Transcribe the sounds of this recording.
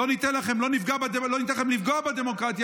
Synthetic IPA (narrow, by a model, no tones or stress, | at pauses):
o̞nit̪enlaχe̞mlo̞nifɡabed̪elonit̪elaχemlifɡoabed̪emo̞kʁat̪ja